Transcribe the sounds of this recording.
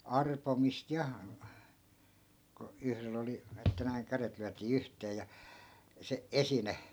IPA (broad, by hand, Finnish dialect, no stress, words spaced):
ɑrpomist jɑ ko yhrel oli etːæ næiŋ kæret lyætiː yhteː jɑ se esine